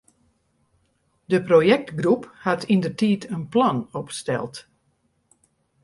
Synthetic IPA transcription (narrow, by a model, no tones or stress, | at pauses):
dəprojɛk̚tɡruphatindərtiːtʰənplɔnɔpstɛ̰lˠt